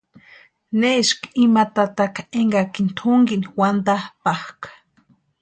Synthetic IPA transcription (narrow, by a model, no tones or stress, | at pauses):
neʃkimat̪at̪akaeŋɡakint̪ʰʊŋɡiniwand̪apahkḁ